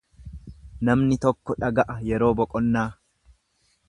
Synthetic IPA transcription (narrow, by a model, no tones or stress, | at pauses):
nɐmnɪt̪ɔkːɔᶑɐɡɐʔɐjɛɾo̞ːbɔkʼɔnːaː